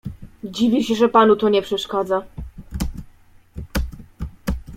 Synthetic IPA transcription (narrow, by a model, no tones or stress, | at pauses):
d͡ʑivʲiɕɛʐɛpanut̪ɔɲɛpʂɛʂkad̪za